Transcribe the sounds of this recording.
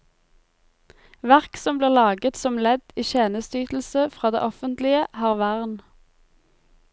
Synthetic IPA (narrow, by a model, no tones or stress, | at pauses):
ʋæʁksɔmbliːʁlɑːɡət̪sɔmlɛd̪iːçeːnəst̪yːt̪l̩səfʁɑːd̪ḛːʔɔfənt̪lɪəhɑːʁʋæʁn